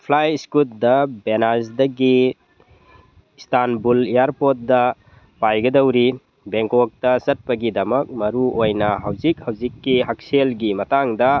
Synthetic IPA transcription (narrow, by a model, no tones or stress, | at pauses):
pʰlajskut̚dɐbenazdɐɡi | stanbulijaɾpot̚dɐ | pajɡɐdɐwɾi | beŋkok̚tɐsɐt̚pɐɡidɐmɐk̚mɐɾuojnɐɦawzik̚hawzikːiɦak̚selɡimɐtaŋdɐ